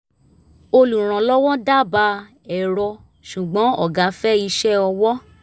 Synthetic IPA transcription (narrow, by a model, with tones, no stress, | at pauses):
o˧lu˨ɾ̃ã˨˦lɔ˦wɔ̃˦da˦ba˧˦ | ɛ˨ɾɔ˧ | ʃu˨ɡ͡bɔ̃˨˦ɔ̰˦˨ɡa˨˧˦fɛ˦i˧˦ʃɛ˦ɔ˧wɔ˦